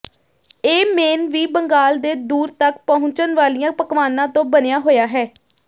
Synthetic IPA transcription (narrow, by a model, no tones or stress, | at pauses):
eːmeːnʋiːbəŋɡaːld̪eːd̪uːɾt̪əkpəɦʊ̃t͡ʃənʋaːlijãːpəkʋaːnãːt̪õːbənejaːɦoːjaːɦɛː